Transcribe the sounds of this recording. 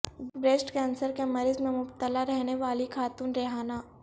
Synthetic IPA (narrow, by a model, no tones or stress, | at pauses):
bɾeːsʈkɛːnsəɾkemɐɾɪzmẽmʊbt̪əlaɾɛɦneʋaːlikʰaːt̪uːnɾeɦaːnaː